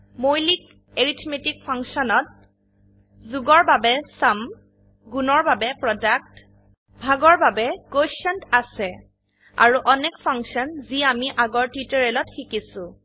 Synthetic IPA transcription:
mojlik | eɹitʰmetik̚pʰaŋksɔnɔt̚ | zuɡɔɹbabɛsam | ɡunɔɹbabɛpɹɔdak̚t | bʱaɡɔɹbabɛkoʃɔntasɛ | a̰ɹuʔɔnɛkpʰaŋksɔnziamiʔaɡɔɹtwitɔɹɛlɔtxikisʊ

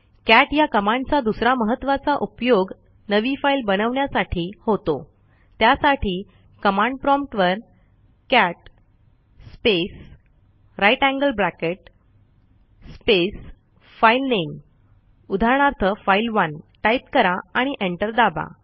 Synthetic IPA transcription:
kæʈjakəmãɳɖt͡sad̪usɾaməɦət̪ːʋat͡saʔupjoɡ | nəʋifailbəñəʋɳjasaʈʰiːhot̪o̰ | t̪jasaʈʰiː | kəmãɳɖpɾɔmpʈʋəɾ | kæʈ̚ | spes | ɾajʈæ̃ŋɡəlblækeʈ̚ | spes | failnem | ud̪ʱaɾɳ̃aɾt̪ʰəfailʋənʈaip̚kəɾaaɽ̃iʔeɳʈəɾd̪aba̰

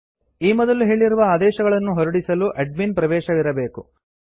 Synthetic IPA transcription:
iːmɔd̪ɐluɦe̞ːɭiɾuʋɐaːd̪ɛːʃɐɡɐɭɐnːuɦɔɾuɽisɐluʔɐɖ̚minpɾɐʋɛːʃɐʋiɾɐbeːku

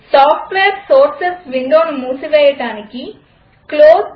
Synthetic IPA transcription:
saːpʰʈʋeːɾsoːɾsesʋiɳɖoːnumuːsuʋɛːjɐʈaːniki | kloːs

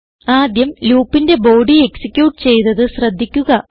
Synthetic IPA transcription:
aːd̪jɐmluːpːinde̞bo̞ːɖieksikʲːjuːʈːɨ̥t͡ɕe̞jt̪ɐðɨɕrɐd̪ʱːikʲːuɣɐ

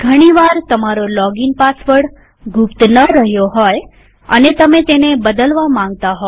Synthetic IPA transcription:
ɡʱəɽ̃iʋaɾt̪əmaɾolɔɡinpasʋəɽ | ɡʱʊpt̪nəɾəɦjoɦɔj | ənet̪əmet̪enebəd̪əlʋamãŋɡ̚t̪aɦo

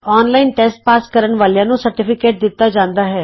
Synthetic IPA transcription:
ɔːnlaːɪnʈɛːsʈ̚paːskəɾəɳʋaːljãːnũsəɾʈɪpʰɪkeːʈ̚d̪ɪt̪ːad͡ʒãːnd̪aːɦɛː

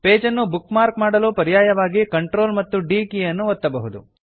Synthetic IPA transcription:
peːd͡ʒɐnːubukmaːɾkmaːɽɐlupɐɾijaːjɐʋaːɡikɐɳʈɾo̞ːlmɐt̪ːuɖiːkijɐnːuɔt̪ːɐbɐɦud̪ṵ

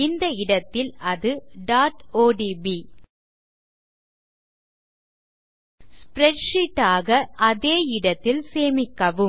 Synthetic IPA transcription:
ɪnd̪ɐɪɽɐt̪ːɪlɐðɯɖaːʈoːɖibi | spɾɛʈʂiʈːaːɣɐʔɐðeːɪɽɐt̪ːɪlseːmɪkːɐʋɯ

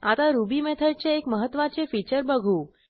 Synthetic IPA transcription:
at̪aɾubimet̪ʰəɾt͡ɕeːkməɦət̪ʋat͡ʃefit͡ɕəɾbəɡʱũ

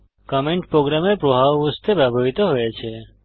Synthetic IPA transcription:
kɔmẽɳʈpɾoɡɾamepɾoɦaʋʋəst̪ʰepɾabʱaʋit̪oɦojet͡ʃʰe

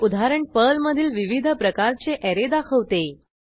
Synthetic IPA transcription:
ud̪ʱaɾəɳpəlməd̪ʱiːlʋiʋid̪ʱəpɾəkaɾt͡seʔɛɾed̪akʰəʋt̪e

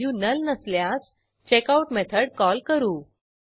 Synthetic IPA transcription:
uːnəlnəsljas | t͡ɕekauʈmet̪ʰəɽkɔlkəɾuː

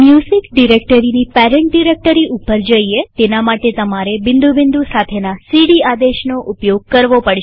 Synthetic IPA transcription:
mjuzikɖiɾekʈəɾinipɛɾɛɳʈɖiɾek̚ʈəɾiʔupəɾd͡ʒəiet̪enamaʈet̪əmaɾebɪnd̪ubɪ̃nd̪usat̪ʰenasiɽiad̪eʃnoʔupjoɡ̚kəɾʋopəɽʃ

